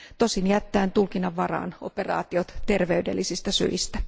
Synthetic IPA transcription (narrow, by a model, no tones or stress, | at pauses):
t̪osinjæt̪ːæːnt̪ulkinɑʋːɑrɑ̰ːno̞̰perɑ̰ːt̪iot̪t̪e̞rʋeydḛlːisist̪ɑsy̰ist̪æ